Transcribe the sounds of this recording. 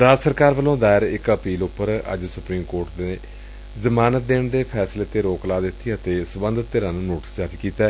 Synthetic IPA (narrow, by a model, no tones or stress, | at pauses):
ɾaːd͡ʒsəɾkaːɾʋəlõːd̪aːɪɾɪkəpiːlʊpːəɾə̰d͡ʒsʊpɾiːmkoːɾʈd̪eː | zəmaːnət̪̚d̪eːɳd̪eːpʰɛːsleːt̪eːɾoːklaːd̪ɪt̪ʰːiːət̪eːsəbənd̪ət̪ːeːɾãːnũːnoːʈə̥sd͡ʒaːp̪iːkiːt̪ɛː